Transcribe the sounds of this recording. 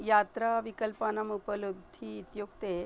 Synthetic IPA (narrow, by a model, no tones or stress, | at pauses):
jat̪ɾaʋikəlpanɐmupəlub̚d̪ʱiːt̪juɡt̪e